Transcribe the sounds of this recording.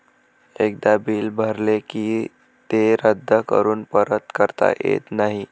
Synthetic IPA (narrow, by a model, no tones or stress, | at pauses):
ek̚d̪abiːlbʱəɾlekiː | t̪eɾəd̪ʱːəkə̰ɾuːnpəɾət̪kəɾt̪a̰jḛt̪naɦi